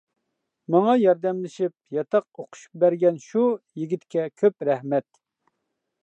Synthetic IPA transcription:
mɑŋɑjɑɾd̪ɛmlɪʃip̚jɑt̪ʰɑq̚oqʰʊ̥ʃu̥p̚bæɾɡʲɛnʃujiɡʲit̪kʲɛkʲʰøpɾɛhmɛt̪̚

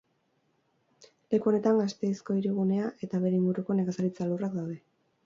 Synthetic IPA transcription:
le̞kuo̞ne̞t̪aŋɡast̪e̞isko̞iɾiɣ̞une̞aʔe̞t̪aβe̞ɾe̞iŋɡuɾuko̞neɣasaɾit͡salurak̚d̪awðe̞

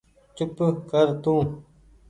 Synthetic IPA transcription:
t͡ɕupkəɾt̪ũː

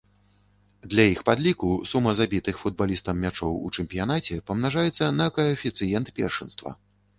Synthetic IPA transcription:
d̪lʲɐjixpad̪lʲikusumɐzabʲit̪ɨxfud̪̚balʲist̪ɐmːʲat͡ʂɔwṵt͡ʂɛmʲpʲijanat͡sʲɛpɐmnaʐajɛt̪sːɐnɐkɐɐfʲit̪sɨjɛnt̪pʲɛ̰rʂɨnst̪vɐ̰

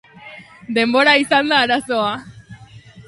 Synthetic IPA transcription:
d̪e̞mboɾaisand̪aːɾasoa

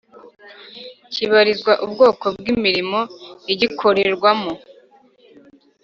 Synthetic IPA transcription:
ciβaɾizɡwaʔubɡo̞ːko̞bɡimiɾimo̞iɟikʰo̞ɾeɾɡwamo

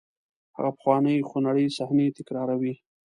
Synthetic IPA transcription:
ha̰ɣapə̥xwɑnəjxonaɽəjsahnet̪ɪkɾɑɾawi

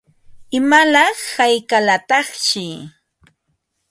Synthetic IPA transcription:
ɪmalɑχhajkalat̪ɑχt͡ʃɪ

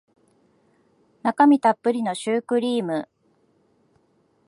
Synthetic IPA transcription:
nakamʲit̪apːɯ̟ɾʲino̞ɕɨːkɯ̟ɾʲiːmɯ̟

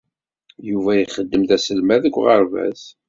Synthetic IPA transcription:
juvæjəχəd̪ːəmðæsəlmæðəkʷːʁəɾvæ̰s

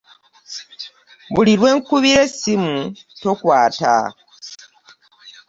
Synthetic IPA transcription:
βuliɾwe̞ːŋkuβiɾesimuto̞kwaːta̰

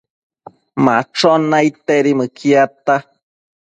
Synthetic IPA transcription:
mãt͡ʃonait̪eɾimɨkʰiat̪a

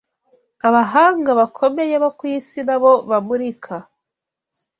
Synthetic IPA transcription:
aβaɦaːŋɡaβakʰo̞me̞jeβakwiːsinaβo̞βamuɾikʰa

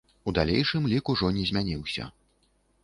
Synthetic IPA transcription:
ud̪alʲḛjʂɨmlʲikuʐɔnʲɛzʲmʲanʲiwsʲɐ̰

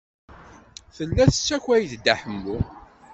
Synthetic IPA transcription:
θəlːæθə̥t͡sːæçæjθd̪aħəmːu

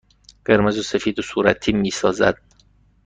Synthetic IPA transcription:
ɢ̥eɾmezosefiːd̪osuːɾæt̪ʰiːmiːsɒːzæ̰d̪̥̚

